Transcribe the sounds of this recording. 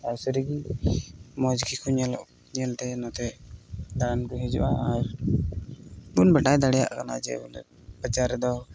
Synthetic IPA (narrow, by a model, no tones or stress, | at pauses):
aɾsəɾiɡi | mɔd͡ʒɡikʰuɲɛlɔʔ | ɲɛlʈ̪ɛnɔt̪ɛd̪ankɔɦɛd͡ʒɔ̰ʔaaɾ | bunbɛʈajd̪aɽɛja̰ʔkana̰d͡ʒɛ̰n | b̥ət͡ʃaɾɛd̪ɔ